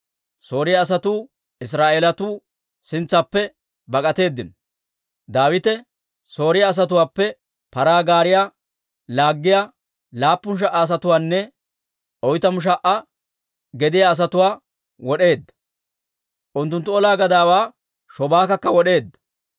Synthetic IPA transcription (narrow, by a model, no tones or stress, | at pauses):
so̞ːɾɪjaːs̬ɐt̪uː | ɪs̬ɾaːʔeːlɐt̪uː | sɪnt͡sːɐpːɛ | bɐkʼɐt̪e̞ːd̪ːɪnɔ | d̪aːwɪt̪ɛ | so̞ːɾɪjaːs̬ɐt̪ʊwaːpːɛ | pɐɾaːɡaːɾɪja | laːɡːɪja | laːpːʊnʃ̬ɐʔaːs̬ɐt̪ʊwaːnːɛ | ɔjt̪ɐmʊʃ̬ɐʔɐ | ɡɛd̪ɪjaːs̬ɐt̪ʊwaː | wɔɗe̞ːd̪ːɐ̥ | ʔʊnt̪ːʊnt̪ːʊɔlaːɡɐd̪aːwaː | ʃɔbaːkɐkːɐwɔɗe̞ːd̪ːɐ̥